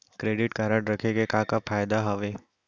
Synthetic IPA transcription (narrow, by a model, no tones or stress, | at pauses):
kɾeːɖɪʈkɐɾəɽɾɐkʰeɡekaːkapʰaːjd̪aɦɐʋeː